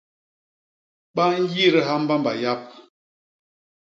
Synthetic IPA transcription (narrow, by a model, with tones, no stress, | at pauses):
ɓa˦ŋ̩˦ɡi˦˨ɾə˦ɦa˦m̩˦ba˦mba̰˨ja˦p̚